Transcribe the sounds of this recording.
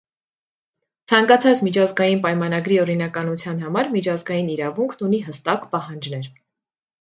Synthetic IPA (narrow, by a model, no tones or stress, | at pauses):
t͡sʰɑŋkɑt͡sʰɑt͡smit͡ʃʰɑzɡɑjinpɑjmɑnɑɡɾiɔɾinɑkɑnut͡sʰjɑnɦɑmɑɾmit͡ʃʰɑzɡɑjiniɾɑvuŋkʰnuniɦəst̪ɑkpɑhɑnd͡ʒnɛɾ